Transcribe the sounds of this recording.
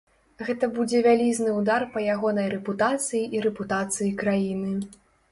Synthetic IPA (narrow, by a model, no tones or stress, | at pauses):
ɣɛt̪ɐbud͡zʲɛvʲalʲiznɨwd̪arpɐjaɣɔnɐjɾɛput̪at̪sɨjiʔiɾɛput̪at̪sɨjikɾajinɨ